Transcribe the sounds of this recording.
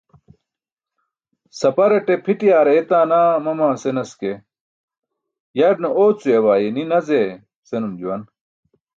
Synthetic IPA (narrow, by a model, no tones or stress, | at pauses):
sɐpɐɾeʈepʰiʈijaːɾeet̪aːnaːmɐmãːsenɐske | jɐɖnɐoːt͡suewaːjeninɐze | senumd͡ʑuwɐn